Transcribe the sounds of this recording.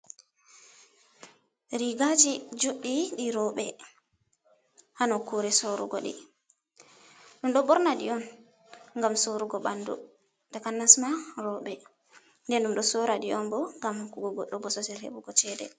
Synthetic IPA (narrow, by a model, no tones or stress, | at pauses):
ɾiɡad͡ʒid͡ʒoɗːiɗiɾɔɓɛ | hanɔkuɾɛsoɾṵɡɔ̰ɗḭ | ɗumɗɔbɔɾnaɗiɔn | ŋɡamsoɾuɡɔɓandṵ | takanːasmaɾɔɓɛ | ndɛnɗumɗɔsoɾaɗiɔnbɔŋɡamhkuɡɔɡɔɗːɔbɔsɔsɛlhḛbuɡɔt͡ʃɛdɛ̰